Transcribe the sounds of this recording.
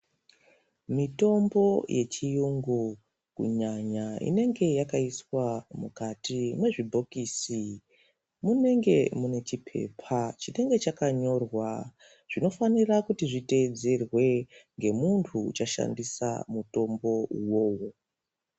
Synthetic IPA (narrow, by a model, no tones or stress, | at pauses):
mito̞mbo̞jʔe̞t͡ʃijuŋɡu | kṵɲaɲaḭne̞ŋɡe̞jakaiswamukatimwe̞ʐibʱo̞kiːsi | mune̞ŋɡe̞mune̞t͡ʃipʰe̞̰pʰat͡ʃine̞ŋɡe̞t͡ʃakaɲo̞rwa | ʐ̥ino̞fanirakutiʐite̞d͡ze̞rwe̞ŋɡe̞muntʰuːt͡ʃaʃa̰ndisa̰muto̞mbo̞uwo̞ːwo̞